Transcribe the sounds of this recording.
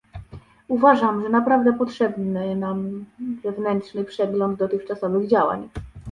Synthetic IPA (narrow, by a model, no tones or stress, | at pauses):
uvaʐamʐɛnapɾavd̪ɛpɔtʂɛbnnɘnamzɛvnɛntʂnɘpʂɛɡlɔnd̪d̪ɔt̪ɘxt͡ʂasɔvɘɣd͡ʑawa̰ɲ